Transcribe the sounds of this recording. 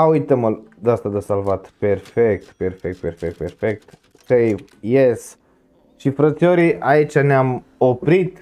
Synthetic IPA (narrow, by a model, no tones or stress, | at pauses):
aujt̪əməld̪ast̪ad̪əsalvat̪perfek̚t̪perfek̚t̪perfek̚t̪ferfek̚t̪ | sej | jes | ʃifɾət̪sioɾiʔait͡ʃaneamo̞pɾit̪